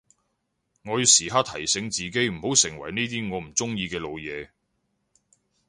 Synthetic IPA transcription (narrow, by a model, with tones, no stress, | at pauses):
ŋɔː˨˧jy˧siː˨ɦaː˥t̪ʰɐ˨˩jsɪ˨˧˥ŋt͡siː˨ke˥jm̩˨˩ho˨˥wsɪ˨˩ŋwɐ˨˩jne˥t̪iː˥ŋɔː˨˧m̩˨˩t͡sʊ˥ŋjiː˧kɛː˧lo˨˧wjɛː˨˧